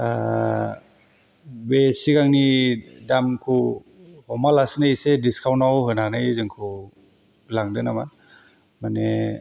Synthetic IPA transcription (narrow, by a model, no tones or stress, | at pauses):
a | besiɡaŋnidamkʰu | hɔmalasnɯjsediskʰawnawɦɯnanɯjzɯŋkʰu | laŋdɯnama | mane